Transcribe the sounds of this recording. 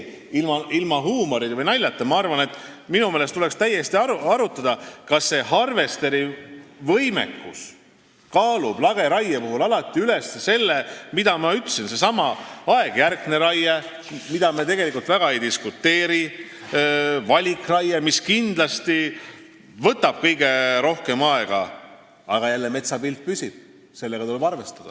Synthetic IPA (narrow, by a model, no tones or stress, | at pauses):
ilmɑilmɑɦuːmo̞ɾid̪vɤjnɑjlʲːɑt̪ːˑɑmɑɑrvɑne̞t̪ːˑminume̞ːlest̪ule̞kst̪æjːe̞st̪iɑuɑɾut̪ːˑɑd̪̥ɑkɑsːe̞hɑrve̞st̪e̞ɾivɤjmḛkːus | kɑːlub̥lɑɡ̥e̞ɾɑjːepuɦulɑlɑt̪ːˑiyle̞sese̞lːemid̪ɑmɑyt̪ːˑsinse̞sɑmɑɑe̞ɡ̥jærɡ̥ne̞ɾɑjːe | mid̪ɑmet̪e̞ɡ̥e̞likˑult̪væɡ̥ɑejd̪iskut̪ːe̞ːɾi | vɑlʲikːˑrɑjemiskind̪lɑst̪i | vɤt̪ːˑɑb̥̚kɤjɡe̞ɾo̞hke̞mɑe̞ɡ̥ɑ̰ | ɑɡ̥ɑjælːeme̞t̪sɑpilt̪̚pysʲib̥̚ | se̞lːe̞ɡ̥ɑt̪ulebɑrve̞st̪ɑd̪̥ɑ̰